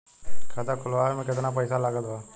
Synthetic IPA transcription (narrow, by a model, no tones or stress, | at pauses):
kʰat̪akʰʊlaɛmɛ̃kɪt̪nap̬ɐjsalaɡət̪ʋa